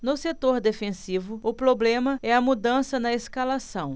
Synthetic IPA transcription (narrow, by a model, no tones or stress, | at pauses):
nʊset̪oɾd̪efẽsivʊʊpɾoblẽmɐɛɐmud̪ɐ̃sɐnɐeskalasɐ̃w̃